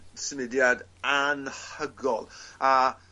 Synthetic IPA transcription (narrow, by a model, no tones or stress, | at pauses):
səmɪdjad | anhəɡɔlˠa